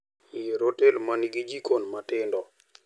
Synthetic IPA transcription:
jeɾotɛlmaniɡid͡ʒikonmatɪndɔ

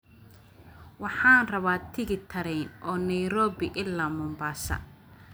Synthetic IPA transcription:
wɑħɑːnrɐβaːt̪ʰɪɣɪt̪ʰɐɾɛjnʔɔːnɐjɾɔːbɪʔɪlːaːmʊːmbaːsɐ̰

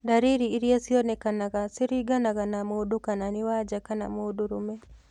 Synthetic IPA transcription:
daɾiɾiːɾjasiɔnɛkanaɡasɪɾiɡanaɡanamodokananɪwad͡ʒakana̰modoɾomɛ

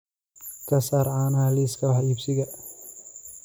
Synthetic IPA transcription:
kʰɐsaːɾʕaːnaliskʰɐwħiːbsɪɣɐ

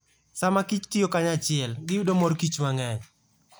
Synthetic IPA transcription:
samakit͡ʃtijokaɲat͡ʃɪɛlɡɪjudomɔɾkit͡ʃmaŋɛɲ

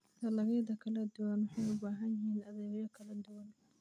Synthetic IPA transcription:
t̪ʰɐlɐɣɛjd̪ɐkʰɐlɐd̪ʊwɐnwɑħɑjʊbaːɦɐnjɪhiːnɐðɛːɣjɐkʰɐlɐd̪ʊwɐn

